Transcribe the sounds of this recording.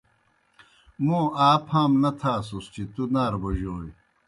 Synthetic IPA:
mũːaːpʰãːmnɐt̪ʰaːsust͡ɕʰit̪unaːɾbɐʑoːj

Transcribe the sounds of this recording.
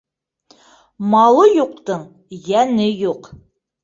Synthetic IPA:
mɑlˠɤjuqt̪ɤɴ | jænɘjuq

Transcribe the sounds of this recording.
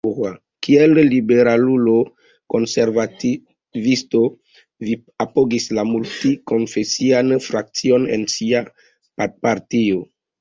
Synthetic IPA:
a | kielːibe̞ɾalulo̞ | ko̞nse̞ɾvati | visto̞ | vi | apoɡislamultiko̞nfe̞sianfɾak̚t͡sio̞nḛnsia | papaɾtio

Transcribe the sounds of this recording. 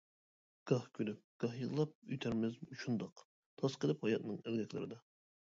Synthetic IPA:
ɡ̥ɑhkʲʰølyp̚ɡ̥ɑhjɨllˠɑp̚yjt̪ʰæɾmɪzuʃund̪ɑq | t̪ʰɑsqəlˠɪphɑjɑt̪nɨŋælɡʲɛkʲlɪ̰ɾɪd̪ɑ

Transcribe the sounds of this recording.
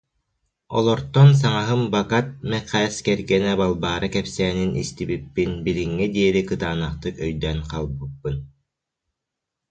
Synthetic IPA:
ɔ̰lˠɔɾt̪ɔns̬aŋaɦɯmbakat̪̚mɛqɛskɛɾɡɛnɛbalˠbaːɾɯkɛpsɛːninist̪ibipːinbiɾiŋːid̪iɛɾikɯt̪aːnaχt̪ɯkœjd̪ɛnqalˠbɯpːɯn

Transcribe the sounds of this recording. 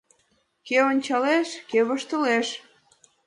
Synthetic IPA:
keonʲt͡ɕɑleʃkeβəʃt̪ə̆leʃ

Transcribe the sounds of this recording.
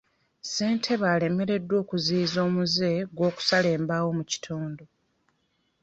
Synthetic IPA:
se̞ːntʰe̞βaːle̞me̞ɾe̞dːwo̞ːkuziːzo̞ːmuze̞ɡwo̞ːku̥sale̞ːmbawo̞muci̥tʰuːndo

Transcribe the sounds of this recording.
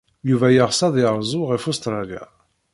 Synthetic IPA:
juvæjəʁsɑðˤiʁˤzˤʊʁifust̪ɾˤɑlja̰

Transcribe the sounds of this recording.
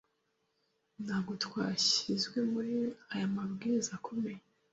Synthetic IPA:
nhaɡotwaːɕizɡwe̞muɾiajamaβɡiɾizakʰo̞me̞ja

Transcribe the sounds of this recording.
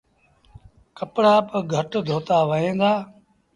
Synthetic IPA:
kəpɽaːpəɡʱəʈd̪ʱoːt̪aːʋəɦẽːnd̪aː

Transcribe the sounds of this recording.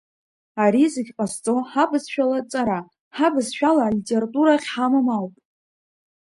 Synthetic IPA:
aɾizɨɡʲqʼast͡sʼo̞ħabɨzʃᶣalat͡sʼaɾa | ħabɨzʃᶣalalʲitʼeratʼuɾaχʲħamamawpʼ

